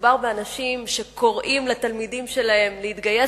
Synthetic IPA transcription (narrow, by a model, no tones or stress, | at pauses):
baʁbeanaʃimʃe̞ko̞ʁʔimlat̪almidimʃe̞lahe̞mlehit̪ɡaje